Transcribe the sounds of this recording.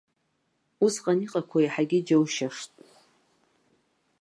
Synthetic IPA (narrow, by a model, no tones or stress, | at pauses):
usqʼaniqʼakʷʰaiħaɡʲɪd͡ʒowʃaʂtʼ